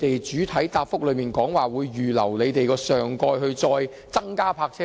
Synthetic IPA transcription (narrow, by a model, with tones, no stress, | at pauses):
t̪e˨jt͡ʃyː˨˥t̪ʰɐ˨˥jt̪aː˧p̚fʊ˥k̚lɵ˨˧ɥmiː˨˩nkɔː˨˥ŋwaː˨˩wuː˨˧jːyː˨lɐ̰˨˩wle˨˧jt̪e˨jkɔː˧sœː˨ŋkɔː˧jhɵ˧ɥt͡sɔː˧j | t͡sɐ˥ŋkaː˥pʰaː˧k̚t͡sʰɛ˥